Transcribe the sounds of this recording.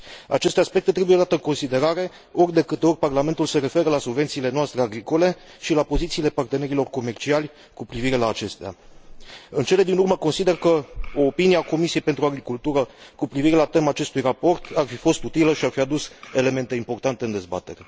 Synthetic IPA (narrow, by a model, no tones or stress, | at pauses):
a̰t͡ʃe̞st̪e̞aspe̞k̚t̪e̞t̪ɾe̞bujelat̪eɨŋko̞nsid̪e̞ɾaɾe̞ | o̞rʲd̪e̞kɨt̪e̞o̞rʲparlament̪ulse̞ɾe̞fe̞ɾəlasubve̞nt̪siːle̞noast̪ɾe̞aɡɾiko̞le̞ | ʃilapo̞zit̪siːle̞part̪e̞ne̞ɾilo̞rko̞me̞rt͡ʃialʲ | kupɾiviɾe̞laːt͡ʃe̞st̪ea̰ | ɨnt͡ʃe̞le̞d̪inurməko̞nsid̪e̞rkəoːpiniako̞misije̞jpet̪ɾuaɡɾikult̪uɾəkupɾiviɾe̞lat̪e̞maːt͡ʃe̞st̪ujrapo̞rt̪ʰarfifo̞st̪ut̪iləʃiarfiad̪use̞le̞me̞nt̪e̞impo̞rt̪ant̪eɨnd̪e̞zba̰t̪e̞̰ɾe̞